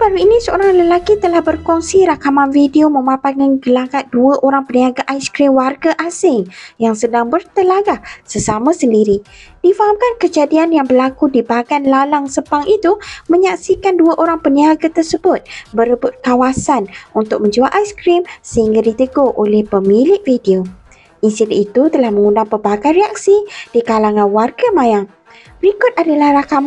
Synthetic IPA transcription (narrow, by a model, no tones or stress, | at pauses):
baluinĩsəoɾaŋləlakit̪əlahbərkɔŋsiɾakamanfideomə̃mãpaŋanɡəlakat̪̚duaʔoɾaŋpəniaɡaʔajskɾimwarɡaʔasɪŋjaŋsədaŋbərt̪əlaɡahsəsamãsəndiɾid̥ifaɦamkankəd͡ʒadianjaŋbərlakudibaɡanlalaŋsəpaŋʔit̪umə̃ɲaksikanduaʔoɾaŋpəniaɡat̪ərsəbʊt̪̚bəɾəbʊt̪̚kawasanʔunt̪ʊk̚mə̃ɲd͡ʒuaʔajskɾimsəhiŋɡadit̪əɡoʔolɛhpəmilɪʔ̚fidio | ʔinsidɛʔ̪it̪ut̪əlahmə̃ŋundaŋpəbaɡanɾeak̚sid̥ikalaŋãnwarɡamãjaŋ | bɾikʊt̪̚adalahrakam